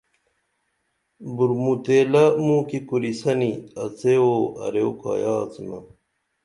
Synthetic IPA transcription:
buɾmut̪eːlɐmũːkikuɾisɐniɐt͡seoːɐ̰ɾeoka̰ːjɑːt͡simɐ

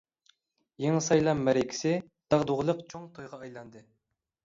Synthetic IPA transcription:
jeŋɨsɑjlˠɑmːæɾekʲʰi̥sɪ | d̪̥ɑʁd̪oʁlˠəqt͡ʃʰoŋt̪ʰojʁɑːjlˠɑnd̪ɨ

